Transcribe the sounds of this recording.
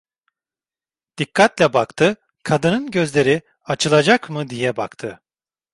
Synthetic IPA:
d̪̥ikʰːat̪lʲɛbakt̪ʰɯ | kʰad̪ɯnɯnɟøzlʲe̞ɾi | at͡ʃʰɯlˠad͡ʒakmɯd̪ijɛbakt̪ʰɯ

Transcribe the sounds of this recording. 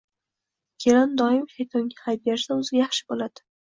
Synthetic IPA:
kʲʰe̞land̪ɒɪmʃajt̪ʰɒŋɡʲahajb̚jaɾsaʊzɪjaχʃɪ̥bolad̪̥ɪ

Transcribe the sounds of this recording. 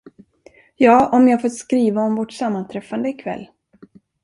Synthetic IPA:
jɑːʔɔmjahaɡfot̪skɾiːvaɔmvɔʈsamːant̪ʰɾɛfːand̪əɪkʰvɛ̰lː

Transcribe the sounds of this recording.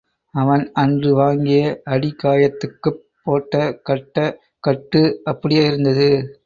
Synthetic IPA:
ɐʋɐnɐndrɯʋaːŋɡɪjɐʔɐɽɪkːaːjɐt̪ːɯkːɯpːoːʈːɐkɐʈːɐ | kɐʈːɯɐpːɐɽɪjaːɪɾɯnd̪ɐðɯ

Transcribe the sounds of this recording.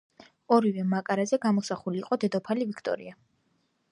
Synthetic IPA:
ɔɾivɛmakʼaɾazɛɡamɔsaχuliːqʼɔd̪ɛd̪ɔpʰalivikʰt̪ʼɔ̰ɾḭa

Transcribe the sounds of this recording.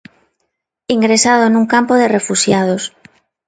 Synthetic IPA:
iŋɡɾesað̞onũŋkampoðerefuʃjað̞os

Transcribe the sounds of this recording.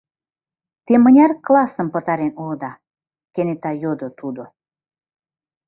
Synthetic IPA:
t̪emɤ̆nʲærklɑsə̆mpɤ̆t̪ɑɾenulɤ̆d̪ɑ | kenet̪ɑjod̪ŏt̪ud̪o

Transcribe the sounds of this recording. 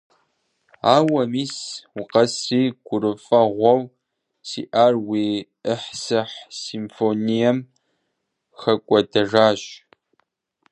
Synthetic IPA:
aːwɐmiːswʊqɐsriːɡʷʊɾɨfɐʁʷɔw | sḭːʔaːrwiː | əħsɨħsimfonijɐm | xɐkʷʼɔdɐʒaːɕ

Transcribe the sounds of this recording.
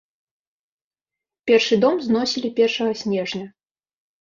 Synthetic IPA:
pʲɛrʂɨd̪ɔmznɔsʲilʲipʲɛrʂɐɣɐsʲnʲɛʐnʲɐ

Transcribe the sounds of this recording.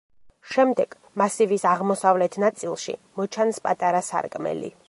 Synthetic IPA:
ʃɛmd̪ɛɡ̥ | masivisaʁmɔsavlɛt̪ʰnat̪sʼilˠʃḭmɔt͡ʃʰanspʼat̪ʼaɾasa̰ɾkʼmɛ̰lḭ

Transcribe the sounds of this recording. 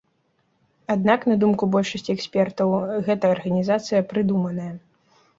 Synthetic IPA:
ad̪naknɐd̪umkubɔlʲʂɐsʲt͡sʲiɛksʲpʲɛrt̪ɐwɣɛt̪ɐːrɣɐnʲizat̪sɨjɐpɾɨd̪umɐnɐjɐ

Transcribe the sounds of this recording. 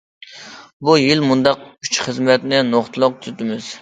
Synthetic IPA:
bujilmund̪ɑqyt͡ʃχəzmɛt̪nɪnoχt̪ʰɨlˠʊq̚t̪ʰɾɪt̪ɪmɪz̥

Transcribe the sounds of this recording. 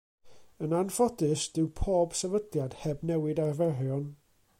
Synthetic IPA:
ənanfɔdɨsd̥ɪwpʰoːb̥sɛvədljad̥hɛbnɛwɪdarvɛɦjɔn

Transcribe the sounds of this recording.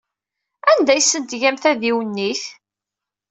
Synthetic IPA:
ænd̪æjsənt̪ʝæmθæðiwənːiθ

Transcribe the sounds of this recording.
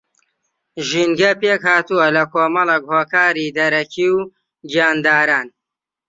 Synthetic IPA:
ʒinɡɐpeːkhaːt̪uwɐlɐkoːmɐlˠekhoːkaːɾiːd̪ɐɾɐkʰiw | d͡ʒjaːnd̪aːɾaːn

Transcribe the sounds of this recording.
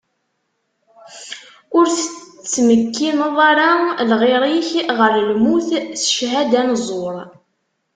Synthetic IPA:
ʊɾθət͡sːməkːinəðˤaɾalʁɪɾˤiçʁəɾlmuθsʃɦæd̪ænzˤoɾˤ

